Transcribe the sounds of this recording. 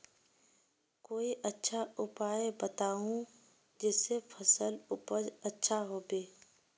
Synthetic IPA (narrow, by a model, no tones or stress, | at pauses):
koːiʔɐtːʃʰaʊpaːebɐt̪aːũ | d͡ʒeːsefʰɐsəlʊpəɾɐtːʃʰaɦoːbeː